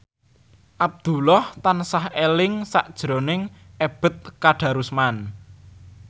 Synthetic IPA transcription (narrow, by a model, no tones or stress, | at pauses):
ʔab̚d̪̥ṳlɔht̪ansahelɪŋsaʔd̥ʒ̥ɾo̤nɪŋ | ʔeb̥ə̤t̪̚kaɖ̥ä̤ɾusman